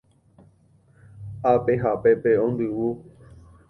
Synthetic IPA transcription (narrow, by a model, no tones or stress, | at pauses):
apeɦapepeõnd̪ɨwu